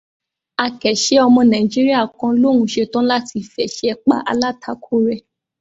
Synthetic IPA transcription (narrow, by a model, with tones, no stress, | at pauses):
a˧kɛ˨ʃe˦ɔ˧mɔ̃˧nã˨i˨d͡ʒi˦ɾi˦a˦˨kã˧˦lõ˦˨ũ˨˦ʃe˧tɔ̃˦la˦ti˧fɛ˨ʃɛ˦ɛ˧k͡pa̰˨˦ʔa̰˧la˦˨tʰa˨˦kʰo˦˨ɾɛ˧˨